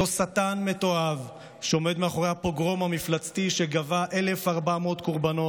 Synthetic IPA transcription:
osat̪anme̞t̪o̞av | ʃeo̞me̞d̪meaχo̞ʁehapoɡʁo̞mamiflat͡st̪iʃeɡavaʔe̞le̞faʁbamot̪koʁbano̞

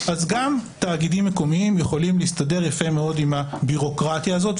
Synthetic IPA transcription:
ʔazɡamtaːɡidimːe̞ko̞miimjeχo̞limlist̪ade̞ʁjafe̞meo̞dimhabiʁo̞kʁat̪jaːzo̞t

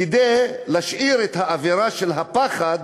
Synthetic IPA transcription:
id̪ejlaʃʔiɾet̪haʔaveʁaʃelɦapaχad̪

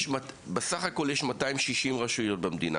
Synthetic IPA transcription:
ʃmatbesaχako̞ljeʃmataimʃiʃimʁaʃujo̞t̚bemdina̰

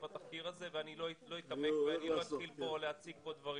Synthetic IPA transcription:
bat̪afkiʁaze̞veanilolo̞it̪amekveanimat̪χilpo̞lehat͡siɡ̚po̞d̪vaʁi

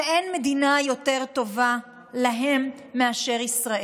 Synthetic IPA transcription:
ʔenme̞d̪inajo̞t̪e̞ʁt̪o̞va | laɦe̞mː | eaʃe̞ʁisʁae

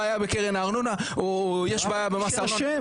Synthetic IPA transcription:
jabe̞keʁenaːʁnunaojeʃbaːjabemasa

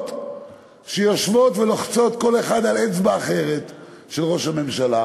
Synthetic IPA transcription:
t | ʃejoʃvo̞t̪veloχt͡so̞t̪ko̞leχad̪alet͡sbaːχeʁet̪ | ʃelʁo̞ʃhame̞mʃala

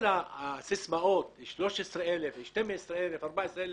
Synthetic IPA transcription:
nasɪsmaʔoːt̪ʃloʃesɾelefʃt̪emesɾelefɑɾˤbaʔesɾel

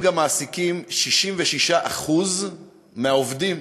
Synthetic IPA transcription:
ɡamːaːsikimʃiʃimveʃiʃaʔaχuz | meaovdim

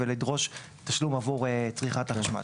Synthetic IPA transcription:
velidʁo̞ʃ | t̪aʃlumavuʁet͡sʁiχat̪aχaʃma̰

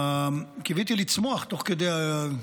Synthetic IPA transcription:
kevit̪ilit͡smoaχt̪oχked̪eja

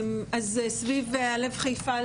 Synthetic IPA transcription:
mazsvivalevχajfa

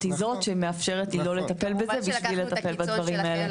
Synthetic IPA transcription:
t̪izo̞tʃemeafʃe̞ʁet̪lilolet̪ape̞lbezebiʃvilet̪ape̞lbad̪vɐʁimae̞le

